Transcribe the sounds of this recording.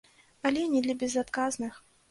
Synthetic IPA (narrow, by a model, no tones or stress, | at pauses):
ɐlʲɛnʲɛd̪lʲɐbʲɛzat̪kaznɨx